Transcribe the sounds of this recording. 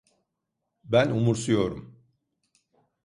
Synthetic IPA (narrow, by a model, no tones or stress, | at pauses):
bænumuɾsujo̞ɾum